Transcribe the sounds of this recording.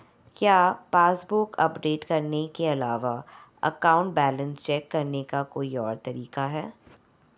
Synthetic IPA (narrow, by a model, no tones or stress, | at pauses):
kjaːpaːsbʊkɐ̰pɖeːʈkɐɾnekeɐlaːʋa | ɐ̰kaːʊ̃ɳʈ̚bɛːlə̃nst͡ʃɛːkːɐɾnekakoːiɔːɾt̪ɐɾiːqaɦɛː